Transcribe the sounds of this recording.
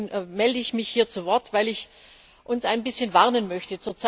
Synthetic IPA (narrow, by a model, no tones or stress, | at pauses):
nmɛldəɪçmɪçhiːɐt͡suvɔɐtv̥aɪlɪç | ʔʊnsaɪnbɪsçənvaɐnənmœçtət͡suːɐt͡sa